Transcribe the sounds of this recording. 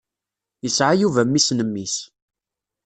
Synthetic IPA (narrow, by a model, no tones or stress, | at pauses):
jəsʕajuvæmːisnəmːis